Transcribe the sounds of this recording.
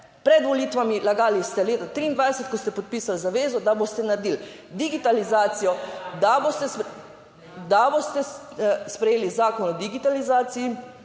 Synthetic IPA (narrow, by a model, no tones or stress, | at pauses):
pɾɛd̪ʋɔliːt̪ʋamilaɡaːlist̪ɛleːt̪at̪ɾiːnd̪ʋajsɛt̪̚kɔst̪ɛpɔt̪̚piːsalzaʋeːzɔd̪abost̪ɛnaɾed̪iːl | d̪iɡit̪alizaːt̪sijɔd̪abost̪ɛ | d̪abost̪ɛ | spɾɛjeːlizaːkɔnɔd̪iɡit̪alizaːt̪siji